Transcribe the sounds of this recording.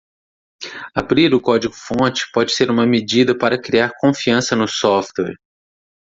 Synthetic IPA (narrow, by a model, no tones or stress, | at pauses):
abɾiɾʊkɔd͡ʒiɡʊfõt͡ʃɪ̥pɔd͡ʒɪseɾũmɐmed͡ʒid̪ɐpaɾɐkɾiaɾkõfiɐ̃sɐnʊsɔft̪wɛɾ